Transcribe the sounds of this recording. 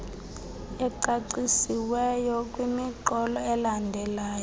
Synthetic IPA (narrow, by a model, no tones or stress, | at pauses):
ɛǀaǀisiwɛjɔkʼwimiǃɔlɔɛlandʱɛlaːjɔ